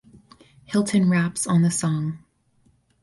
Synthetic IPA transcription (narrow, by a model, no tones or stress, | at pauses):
hɪlˠtʰɨ̃nɹæpsn̩ðɨsɔ̃ŋ